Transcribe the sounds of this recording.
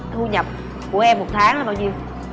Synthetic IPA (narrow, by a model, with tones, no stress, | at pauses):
hu˧ɲə˨˩p̚ | ku˧˩əʔɛ˧mːo˨˩t̚t̪ʰaː˨˦ŋla˨˦ɓaː˧wɲi˧ən